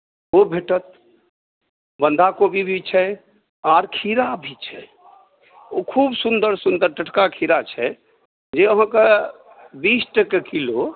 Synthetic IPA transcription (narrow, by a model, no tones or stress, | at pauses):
obʱeʈət̪̚ | bənd̪ʱakobʱibʱit͡ʃʰɛ | aɾkʰiɾabʱit͡ʃʰɛ | okʰubsund̪əɾsund̪əɾʈəʈʰkakʰiɾat͡ʃʰɛ | d͡ʒeəɦãke | bisʈəkekilo